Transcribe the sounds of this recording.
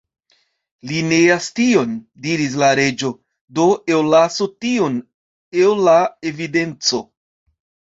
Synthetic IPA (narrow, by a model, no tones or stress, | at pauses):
lineastio̞ndiɾis̬laɾe̞d͡ʒo̞ | do̞ewlasotion | ewlae̞vide̞nt͡so̞